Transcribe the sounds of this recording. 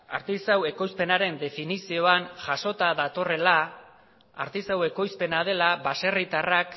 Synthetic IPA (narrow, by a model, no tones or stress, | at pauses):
a̰ɾt̪isawe̞ko̞jspe̞naɾe̞nd̪e̞finisio̞anʝaso̞t̪aðat̪o̞re̞la | a̰ɾt̪isawe̞ko̞jspe̞nað̞e̞laβase̞rit̪arak